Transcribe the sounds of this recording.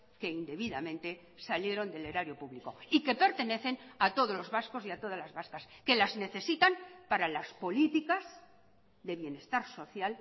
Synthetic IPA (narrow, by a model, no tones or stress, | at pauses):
ke̞ind̪e̞βiðamẽ̞nt̪e̞ | salje̞ɾo̞nd̪e̞leɾaɾjo̞puβliko̞ike̞pe̞ɾt̪e̞ne̞θe̞nat̪o̞ðozlo̞zβasko̞siat̪o̞ðalazβaskaske̞lazne̞θe̞sit̪ampaɾalaspo̞lit̪ikaz | ðe̞βje̞ne̞st̪aɾso̞θjal